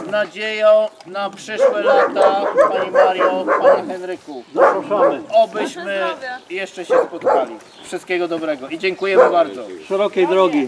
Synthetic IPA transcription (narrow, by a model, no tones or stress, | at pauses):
nad͡ʑejɔ̃napʂɘʂwɛlat̪apaɲimmaɾjɔ̃paɲixɛnɾɘkuzɔpɾɔʂɔmabɘɕmɘjɛʂt͡ʂɛɕɛspɔt̪kalʲi | fʂɨst̪kʲɛɡɔd̪ɔbɾɛɡɔʔid͡ʑɛŋkujɛmɘbaɾd̪zɔʂɛɾɔkʲejd̪ɾɔɡʲi